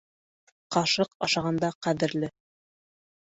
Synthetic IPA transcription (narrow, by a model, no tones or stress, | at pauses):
qɑʃɤqɑʃɑʁɑnd̪ɑqæðɘ̆ɾlɘ